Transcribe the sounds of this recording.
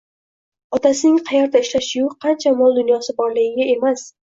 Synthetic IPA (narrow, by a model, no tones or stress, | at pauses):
ɒt̪asɪnɪŋqʰɑjaɾd̪aɪʃlaʃʊjʊqʰɑnt͡ʃʰamɒlˠd̪ʊnjɒsɪbɒɾlɪɡʲɪɡʲae̞mas